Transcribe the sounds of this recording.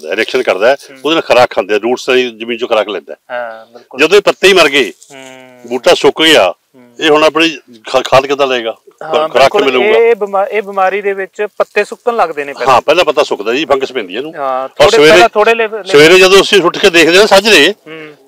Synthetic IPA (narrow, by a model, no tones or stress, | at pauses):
d̪a̰ːɪɾɛːkʃənkəɾd̪aːʊd̪eːnãːkʰəɾaːkkʰãːnd̪eɛːɾuːʈst̪aːĩzəmĩːnt͡ʃoːkʰəɾaːklɛ̃ːnd̪ɛ̰ː | d͡ʒəd̪õːeːpət̪ːeːiːməɾɡeː | buːʈːaːsʊkɡea̰ː | eːɦonəp̬ɳiːkʰaːt̪kɪaːləeːɡaːɦkʰəɾaːkːmɪlũːɡaːbɪmaeːbɪmaːɾiːd̪eːʋɪt͡ʃpət̪ːeːsʊk̚tənləɡd̪eːneːɦãːpɛːlãːpət̪aːsʊkd̪aːiːpʰə̃ŋɡsəpɛ̃ːnd̪ɪjãːnũːɔːɾsəʋeːɾẽt̪ʰoːɽesəʋeːɾẽːd͡ʒəd̪õːəsĩːsʰʊʈʰkeːd̪eːkʰd̪eːnãːsəd͡ʒleː